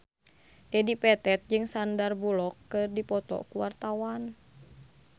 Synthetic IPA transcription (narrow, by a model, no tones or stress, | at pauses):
dɛdipɛt̪ɛt̪̚d͡ʒɨŋsandarbulɔkːɨrdipɔt̪ɔ̰kuwart̪awan